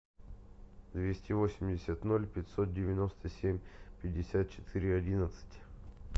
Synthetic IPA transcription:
d̪vʲesʲtʲɪvosʲɪmʲdʲɪsʲət̪no̞lʲpʲɪtʲso̞t̪̚dʲɪvʲɪno̞st̪əsʲemʲpʲɪdʲːɪsʲat̪̚t͡ɕɪt̪ʰɨɾʲɪɐdʲinət̪sɨ̥tʲ

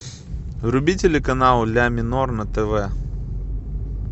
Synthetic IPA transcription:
ɾʊbʲitʲɪlʲɪkɐnalˠlʲamʲɪnornɐt̪ɛvɛ

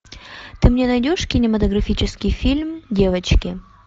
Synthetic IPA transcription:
t̪ɨmnʲe̞nɐjdʲoʂkʲɪnʲɪmət̪əɡɾɐfʲit͡ɕɪskʲɪjfʲilʲmdʲe̞vət͡ɕkʲɪ

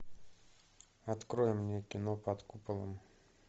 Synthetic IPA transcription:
ɐt̪kɾojɪmːnʲekʲɪnopɐt̪kupəlˠə̰m

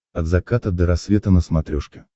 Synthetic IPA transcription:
ɐd̪zɐkat̪əd̪əɾɐsvʲet̪ənəsmɐt̪ɾʲoʂkʲɪ

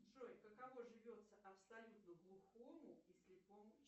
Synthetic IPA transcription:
ʐojʲkəkɐvo̞ʐɨvʲo̞t̪səʔɐpsɐlʲut̪nəɡlˠʊxomʊisʲlʲɪpomʊ

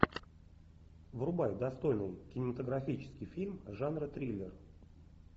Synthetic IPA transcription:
vrʊbajd̪ɐst̪o̞jnɨjkʲɪnʲɪmət̪əɡɾɐfʲit͡ɕɪ̥skʲɪjfʲilʲmʐanrət̪ɾʲilʲːɪr

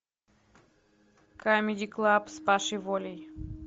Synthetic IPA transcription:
kamʲɪd̪ʲiklˠapspaʃɨvolʲej

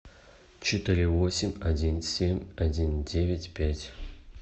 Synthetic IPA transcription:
t͡ʃʰɪt̪ɨɾʲiwosʲɪmʲadʲinsʲemʲadʲindʲevʲɪtʲpʲætʲ

